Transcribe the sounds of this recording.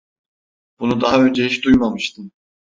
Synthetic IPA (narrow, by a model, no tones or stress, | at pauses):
b̥unud̪aɦaønd͡ʒɛɦiʃd̪ujmamɯʃt̪ʰɯm